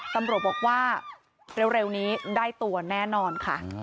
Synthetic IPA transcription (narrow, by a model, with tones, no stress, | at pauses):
t̪a˧mɾu˨˩ə˩t̪̚bɔː˨˩k̚waː˥˩ | ɾe˦˧wɾe˧wniː˦˥daː˥˩jt̪u˧ɐnɛː˥˩nɔː˧nkʰa̰˥˩